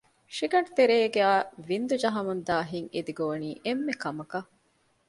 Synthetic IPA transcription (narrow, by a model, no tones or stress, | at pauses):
ʃiɡɐɳɖt̪eɾeːɡeaːʋind̪ud͡ʒɐɦɐmɐnd̪aːɦiŋed̪iɡoːɐniːʔemːekɐmɐkɐ